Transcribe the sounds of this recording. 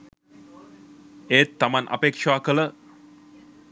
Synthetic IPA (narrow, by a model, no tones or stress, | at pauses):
eːt̪ːamanʔa̰pekʂaːkələ